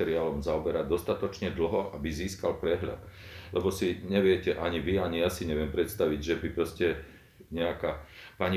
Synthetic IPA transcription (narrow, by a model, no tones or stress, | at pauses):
ɛɾiaːlɔmzaɔbɛɾad̪ɔst̪at̪ɔt͡ʃɲɛd̪l̩ɦɔʔabiziːskalpɾɛɦʎa̰d̪ | lʔɛbɔsiɲɛʋɪɛcɛʔaɲiʋiaɲijasiɲɛʋɪɛmpɾɛt̪st̪aʋiɟʒɛbipɾɔscɛ | ɲɛakaːpaɲi